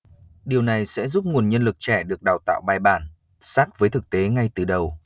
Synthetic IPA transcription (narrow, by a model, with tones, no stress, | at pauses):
ɗi˨˩əwna˨˩jsɛ̰˧˥zu˦˥p̚ŋu˨˩ənɲə˧nlɨ˨˩k̚t͡ɕɛ˧˩ɗɨ˨˩ək̚ɗaː˨˩wt̪a̰ː˧˨wɓaː˧jɓaː˧˩n | saː˦˥k̚vəː˨˦jt̪ʰɨ˨˩k̚t̪e˨˦ŋa˧jt̪ɨ˨˩ɗə˨˩w